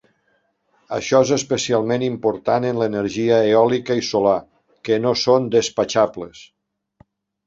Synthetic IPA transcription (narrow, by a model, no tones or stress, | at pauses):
ə̰ʃɔezəspəsialˠmenimpoɾt̪anənlənəɾʒiəeɔlikəisola | kənosond̪əspat͡ʃabləs